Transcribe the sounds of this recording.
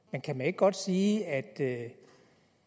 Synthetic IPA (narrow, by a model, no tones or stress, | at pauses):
menkʰæmæne̝ɡ̥̚ɡ̥ɒ̽d̥siːæd̥ø